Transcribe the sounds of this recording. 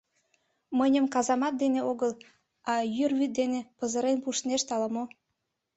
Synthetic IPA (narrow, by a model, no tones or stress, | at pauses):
mənʲə̆mkɑzɑmɑt̪̚d̪eneoɣəl | ɑjyrβyt̪̚d̪enepɤzə̆ɾenpuʃneʃt̪ɑləmo